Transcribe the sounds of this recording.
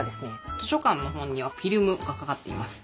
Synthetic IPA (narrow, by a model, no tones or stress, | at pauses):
d̪esɨnet̪o̞ɕo̞kãnːo̞ɦõ̞ɲ̟ːiβ̞aɸʲiɾɯ̟mɯ̟ɡakakat̪ːe̞ḭmasɨ̥